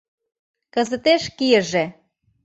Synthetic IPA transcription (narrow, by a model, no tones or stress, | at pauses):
kə̆zət̪eʃkijə̆ʒe